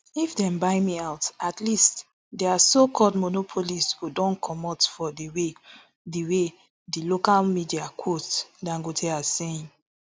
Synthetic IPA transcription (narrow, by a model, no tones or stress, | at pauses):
ifdɛ̃mbaɪmiaʊtatlist | dɛasokʰɔldmonopʰolishudɔ̃nkʰɔmɔtfɔdiwe | diwe | dilokalmidiakʰotdãŋɡotʰɛaseĩn